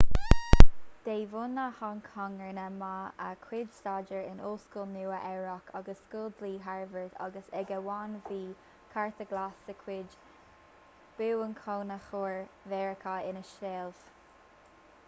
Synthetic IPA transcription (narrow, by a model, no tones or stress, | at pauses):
d̪̥eːvunahankʰaŋəɹnəmaəkʰwɪd͡ʒst̪aːd͡ʒəɹɪnuːlskuːlnuːəʔɛɹɔkʰaɡəsːkuːld̪liːɦaɹvəɹt̪ʰa̰ɡəsɛɡəwanviː | kʰaɹt̪əɡlasəkʰwɪd͡ʒ | b̥ɪwənkʰoːnəxuːɹvɛːɹəkʰaɪnəʃeːlv̥